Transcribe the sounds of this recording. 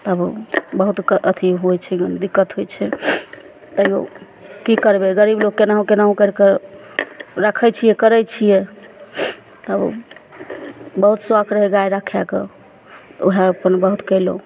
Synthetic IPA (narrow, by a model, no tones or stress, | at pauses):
t̪ɔəbbəɦut̪kʔət̪ʰiɦojt͡ʃʰɛɡənd̪ikːət̪ɦojt͡ʃʰɛ | t̪əio̰ | kikəɾbeɡəɾiblokkenaɦũkenaɦũkəɾke | ɾakʰɛt͡ʃʰijɛkəɾɛt͡ʃʰije | t̪əb | bəɦut̪swakʰɾəɦeɡaeɾakʰjakḛ | t̪oɦaəpənbəɦut̪kɛɪlo